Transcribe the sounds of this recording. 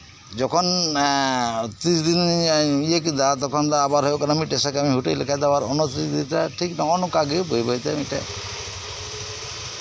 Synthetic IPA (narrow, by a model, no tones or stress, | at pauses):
d͡ʒɔkʰɔn | t̪ɾisd̪iniekid̪at̪ɔkʰɔnd̪aːbaɾɦɔjokanamiʈesakamiɦuʈelḛkʰajd̪abaɾɔnɔt̪ɾisd̪int̪ɾaʈʰiknaɔnɔkaɡibojbajt̪ɛamiʈɛ̰